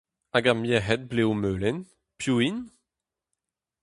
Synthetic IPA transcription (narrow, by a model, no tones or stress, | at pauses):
aɡamjɛɦɛt̪̚blewmøːlɛn | pʰjuin